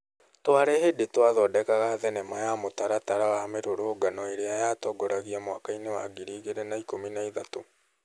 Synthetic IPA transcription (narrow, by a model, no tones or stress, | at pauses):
twaɾɛhedetwaðɔdɛkaɣaðɛnɛmajamotaɾataɾawameɾoɾoːɡanɔeɾeajatɔɡɔɾaɣiamowakainewa̰ɡiɾiːɣeɾɛnaikominaiðato